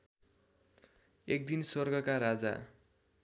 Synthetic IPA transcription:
ek̚d̪inswʌrɡʌkaɾad͡za̰

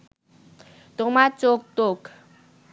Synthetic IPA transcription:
t̪omat͡sok̚t̪ok

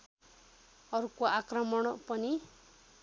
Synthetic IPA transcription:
ʌɾukoakrʌmʌɽ̃pʌni

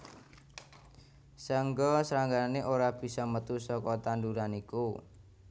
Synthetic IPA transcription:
səŋɡɔsɾaŋɡaaneʔoɾab̥i̤sɔmət̪usɔkɔt̪anduɾaniku

